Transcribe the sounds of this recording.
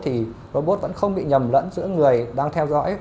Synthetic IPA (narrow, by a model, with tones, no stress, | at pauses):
t̪ʰi˨˩ʔəː˧ɓo˦˥t̚və̰˧˥nxə˧wŋ͡mɓḭ˧˨ɲə˨˩mlə̰˧˥nzɨ̰˧˥əŋɨ˨˩əjɗaː˧ŋt̪ʰɛ˧wzɔ̰˧˥j